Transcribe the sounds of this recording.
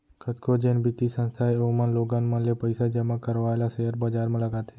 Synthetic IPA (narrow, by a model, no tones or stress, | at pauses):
kʰət̪kʰod͡ʒeːnbit̪isə̃nst̪ʰaːeoːmãnloːɡãnmãnlepəɪsad͡ʒɐmakəɾʋaːelaseɦəɾbəd͡ʒaːɾmãləɡaːt̪ʰeː